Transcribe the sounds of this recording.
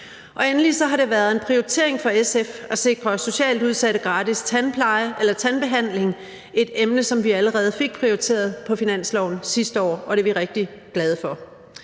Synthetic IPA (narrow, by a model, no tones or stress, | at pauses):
ʔɒ̽enli̥sɒ̽ɦɑ̈ɾe̝ʋæːɐð̞̩ˠe̝npʰʁioit͡sʰe̝ɐe̝ŋfɒ̽esefæse̝ɡ̥ʁʰʁɒ̽so̝ɕɛ̰ːld̥uð̞ˠsæɾəɡ̥ʁɑ̈ːd̥ist͡sʰænpʰlɑɪʔelɐt͡sʰænb̥e̝ɦæn̰le̝ŋ | e̝d̥emnəsɒ̽mʋiæləʁɛːð̞̩ˠfe̝ɡ̥̚pʰʁioit͡sʰe̝̰ːɐð̞ˠpʰɒ̽finæn̰slɒʊ̰n̩sisd̥əɒ̰ːɒ̽ɾ̥e̝ʋiʁeɡ̥̚d̥iɡ̥lɛð̞ˠəfɒ̽